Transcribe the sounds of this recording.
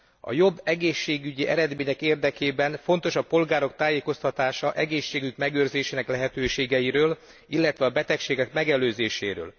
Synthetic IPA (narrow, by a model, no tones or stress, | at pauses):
ɒ̰jo̞bːɛɡeːʃːeːɡyɟiʔɛɾɛd̪meːɲɛkeːrd̪ɛkeːbɛnfo̞nt̪o̞ʃɒpo̞lɡaːɾo̞k̚t̪aːjeːko̞st̪ɒt̪aːʃɒʔɛɡeːʃːeːɡykmɛɡøːrzeːʃeːnɛklɛɦɛt̪øːʃeːɡɛjiɾøːl | ilːɛt̪ʋɛɒbɛt̪ɛkʃeːɡɛkmɛɡɛløːzeːʃḛːɾø̰ːl